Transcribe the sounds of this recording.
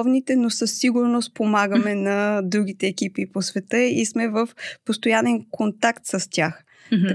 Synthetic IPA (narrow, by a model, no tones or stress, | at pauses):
ɔvnit̪ɛnosəsːiɡʊɾnospomaɡəmɛnɐd̪ɾuɡit̪ɛːkipiposvɛt̪ɤismɛvəfpost̪ojanɛnkont̪akt̪səstʲax